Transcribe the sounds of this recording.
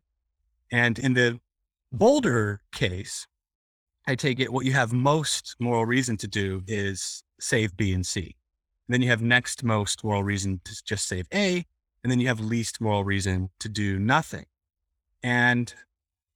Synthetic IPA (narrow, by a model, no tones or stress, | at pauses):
ɨ̃nɨ̃nðɨ | boʊlˠdə˞kʰeɪs | ʔaɪtʰeɪkɨʔ̚wʌt͡ʃɨːvmoʊstmɔɹl̩ˠɹizɨ̃ntʰɨdɨɪz̥ | seɪvbiɨ̃nsḭ | ɨ̃n̩ðɨ̃njɨːvnɛkst̚moʊstmɔɹl̩ˠɹizɨ̃n̩tʰɨ̥d͡ʒʌstseɪveɪ | ɨ̃nðɨ̃njɨːvlistmɔɹl̩ˠɹizɨ̃ntʰɨdɨnʌθɪ̰̃ŋ | ɨ̃n